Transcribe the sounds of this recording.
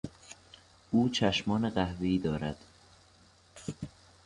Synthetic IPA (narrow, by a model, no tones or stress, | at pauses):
uːt͡ʃʰæʃmɒːneɢæhveiːd̪ɒːɾæd̪̥